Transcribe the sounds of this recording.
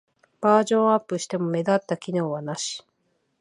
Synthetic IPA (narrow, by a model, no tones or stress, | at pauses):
b̥aːʑõ̞ɰ̃apːɯ̟ɕi̥t̪e̞mo̞me̞d̪at̪ːakʲino̞ːβanaɕi̥